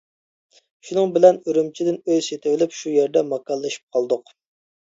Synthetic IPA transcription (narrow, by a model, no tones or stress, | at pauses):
ʃunɨŋbɪlɛnøɾymt͡ʃʰid̪ɪnøzset̪ʰɪvɪlɪpʃujeɾd̪ɛmɑkɑlˠːɨʃi̥p̚qʰɑlˠd̪ʊq